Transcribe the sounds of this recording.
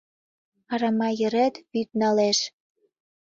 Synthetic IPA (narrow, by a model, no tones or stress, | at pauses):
ɑɾɑmɑjə̆ɾet̪βyt̪̚nɑleʃ